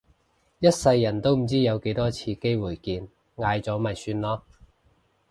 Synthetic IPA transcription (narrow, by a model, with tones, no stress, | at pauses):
jɐ˥t̚sɐ˧jːɐ˨˩nt̪o˥wm̩˨˩t͡siː˥jɐ˨˧wke˨˥jt̪ɔː˥t͡sʰiː˧ke˥jwuː˨˩jkiː˧n | ŋaː˨˧jt͡sɔː˨˥mɐ˨jsyː˧nlɔː˥